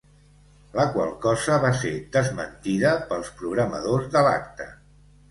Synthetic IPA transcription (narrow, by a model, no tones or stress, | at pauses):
ləkwə̰lˠkɔzəβased̪əzmənt̪iðəpəlˠspɾuɣ̞ɾəmə̰ðozðəla̰kt̪ə̰